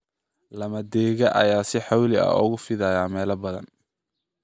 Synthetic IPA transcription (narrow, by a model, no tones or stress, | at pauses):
lɐmɐd̪ɛːɣɐʔɐ̰jaːsɪħɑwlɪɐ̰ʊ̰ɣʊfɪðɐjaːmɛːlɐbɐðɐ̰n